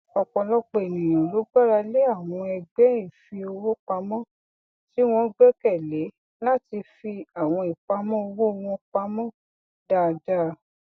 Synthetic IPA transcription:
ɔ˨kɔ̃˨lɔ˦k͡pe˦˨e˨nĩ˨j̃ɔ̃˨lo˨˦ɡ͡ba˦ɾa˧le˦a˦˨w̃ɔ̃˧ɛ˧ɡ͡bɛ˦i˦˨fi˧o˧wo˦k͡pa˧mɔ̃˦ | ti˦w̃ɔ̃˦ɡ͡bɛ˦kɛ˦˨le˨˦ | la˦˨ti˧fi˧a˨w̃ɔ̃˧i˨k͡pa˧˦mɔ̃˦o˧wo˦˧w̃ɔ̃˦k͡pa˧mɔ̃˦ | daː˧˨da˦

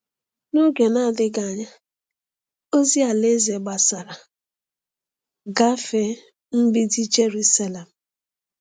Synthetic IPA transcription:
no˦ɡe˨na˦a˨dɪ˦ɡa˨ɲa˦ | o˦zi˦a˨le˦ze˨ɡ͡ba˨sa˨ɾa˨ | ɡa˦fe˦ | m̩˦bi˦di˦d͡ʒe˦ɾu˦sa˦le˨m̩˨

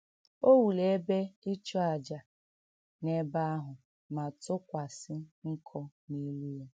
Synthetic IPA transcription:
o˦wu˨le˨e˦be˦ɪ˦t͡ʃɔ˦a˨d͡ʒa˨ | ne˦ba˦a˦ɦʊ˨ | ma˨tʊ˦kʷa˨sɪ˦ŋ̩˦kʰɔ˦ni˦lu˦e˨

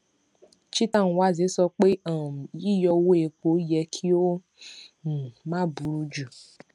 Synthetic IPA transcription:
t͡ʃi˦tã˦˨n˨wa˦˨ze˨˦sɔ˧k͡pe˦ã˨ji˦jɔ˧wo˦e˧ko˨˦jɛ˧kʰi˦o˦ | n̩˨mã˦bu˨ɾu˦d͡ʒu˨

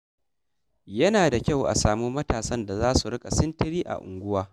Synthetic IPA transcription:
jɐ˦naː˨da˨kʲa˦˨wʔa̰˨saː˨muː˦mɐ˦taː˨sɐ˦nda˨zaː˦su˨ɽɪ˦kʼa˨sɪ˦ntɪ˦ɾiː˦ʔa̰˨ʔʊ̰˨ŋɡʷʊ˦waː˦

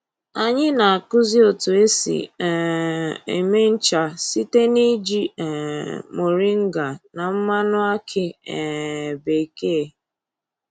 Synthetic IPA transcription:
a˨ɲɪ˦na˨a˨kʊ˦zi˦o˨tʊ˨e˦sḭ˨ | ḛ˨me˦n̩˦t͡ʃa˨si˦te˦ni˦d͡ʒi˦˨ | mo˨ɾi˦ŋ̩˦ɡa˨na˨m̩˦ma˦nʊ˦a˦kʰɪ˦ɛ˨be˨ke˦e˨

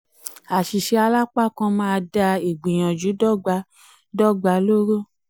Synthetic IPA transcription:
a˨ʃi˨ʃe˧a˧la˦k͡pa˦kɔ̃˧mãː˦˧da˧e˨ɡ͡bĩ˨j̃ã˨d͡ʒu˨˦dɔ˦ɡ͡ba˧˦ | dɔ˦˨ɡ͡ba˧˦lo˦ɾo˦˨

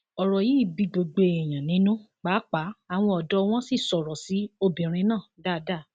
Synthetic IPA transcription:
ɔ˨ɾɔ˨ji˨˦i˦˨bi˧˦ɡ͡bo˨ɡ͡be˧ɛ˨j̃ã˨nĩ˨˦nũ˦ | k͡pa˨˦k͡pa˨˦a˦˨w̃ɔ̃˧ɔ˨dɔ˧˦w̃ɔ̃˦si˦˨sɔ˨ɾɔ˨si˨˦o˧bĩ˨ɾ̃ĩ˧˦nãː˦˨da˦˨˦da˦˨

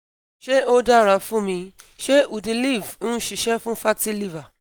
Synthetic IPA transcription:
ʃe˦o˦da˦ɾa˧fũ˦mĩ˧ʃe˦u˨di˧li˦˨vũ˦ʃi˨ʃɛ˦fũ˦fa˦ti˦li˦va˨

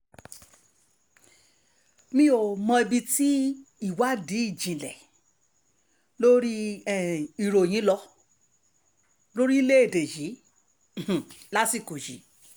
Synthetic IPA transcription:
mĩ˧o˨mɔ̃˧e˧bi˧ti˦i˦˨wa˨˦di˨˦i˦˨d͡ʒĩ˨lɛ˨ | lo˦ɾi˦˨ | i˨ɾo˨j̃ĩ˨˦lɔ˧ | lo˦ɾi˦le˦e˦˨de˨ji˨˦˨ | la˦si˦˨ko˨ʃḭ˨˦

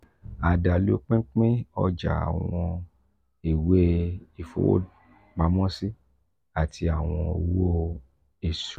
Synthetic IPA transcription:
a˨da˨lu˦k͡pĩ˦k͡pĩ˦ɔ˧d͡ʒa̰˨a̰˨w̃ɔ̃˧ | e˨we˦i˨fo̰˨˦ | ma˨˦mɔ̃˦si˦ | a˨ti˧˦a˨w̃ɔ̃˧˨wo˦ | e˨su˨˦

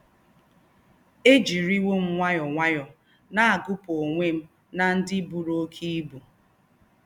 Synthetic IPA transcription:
e˦d͡ʒi˨ɾi˦we˦m̩˦ŋʷa˦jɔ˨ŋʷa˦jɔ˨ | na˦a˨ɡʊ˦po˨ŋʷe˦m̩˦ | na˨n̩˦dɪ˦bu˨ɾo˦kʰi˦bu˨

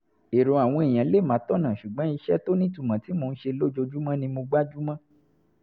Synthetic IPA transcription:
e˨ɾõ˨a˨w̃ɔ̃˧e˨j̃ã˨˦le˦˨mã˨˦tɔ˦˨nã˨ʃu˨ɡ͡bã˨˦i˧ʃɛ˦to˦nĩ˦tu˦˨mã˨ti˨˦mo˧n̩˦ʃe˧lo˦d͡ʒo˧˦d͡ʒu˦mã˦nĩ˧mo˧ɡ͡ba˦d͡ʒu˦mã˦

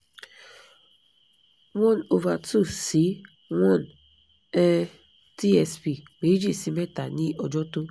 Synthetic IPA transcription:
wɔ̃˦˨no˨va˨tu˦˨si˨˦ | wɔ̃˦˨n | ɛ˦ | ti˦ɛ˧spi˦˨me˨˦d͡ʒi˦˨si˨˦mɛ˦ta˨nĩ˦ʔɔ˧d͡ʒɔ˦to˦

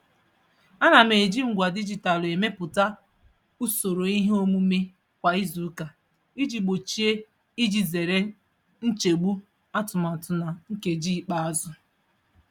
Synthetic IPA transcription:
a˦na˨m̩e˨d͡ʒi˦ŋ̩˨ɡʷa˨di˦d͡ʒi˨ta˨le˨me˦pʊ˨ta˦ | u˦so˨ɾo˨i˦ɦe˦o˦mu˦me˦ | kʷa˨i˦zu˨˦ka˨ | i˦d͡ʒi˨ɡ͡bo˨t͡ʃi˨e˦ | i˦d͡ʒi˨ze˨ɾe˦ | n̩˦t͡ʃe˨ɡ͡bu˦ | a˦tʊ˨ma˨tʊ˨na˨ŋ̩˦ke˨d͡ʒi˦˨k͡pa˦a˦zʊ˦

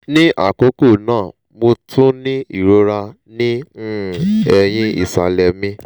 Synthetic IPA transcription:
nĩ˦ʔa̰˦˨ko˨˦ko˦˨nãː˦˨ | mo˧tʰũ˦nĩ˦i˦˨ɾo˧˦ɾa˧ | nĩ˦˨ | ɛ˧j̃ĩ˦ḭ˦˨sa˨lɛ˨mĩ˦

